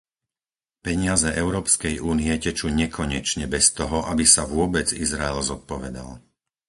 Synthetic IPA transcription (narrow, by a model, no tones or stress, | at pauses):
pɛɲɪazɛʔɛʊɾɔːpskɛjuːniɛcɛt͡ʃuːɲɛkʰɔɲɛt͡ʃɲɛbɛst̪ɔɦɔʔabisaʋʊɔbɛd͡zizɾaɛlzɔt̪̚pɔʋɛd̪a̰l